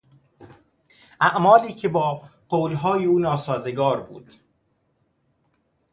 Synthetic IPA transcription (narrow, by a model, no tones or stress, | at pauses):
ʔæʔmɒːliːcʰebɒːɢoːlɦɒːjeuːnɒːsɒːzeɡɒːɾbṵːd̪̥